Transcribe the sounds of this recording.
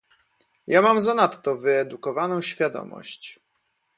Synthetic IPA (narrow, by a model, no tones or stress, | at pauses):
jamamzanat̪ːɔvɘɛd̪ukɔvanɔ̃w̃ɕfʲjad̪ɔ̰mɔ̰ɕt͡ɕ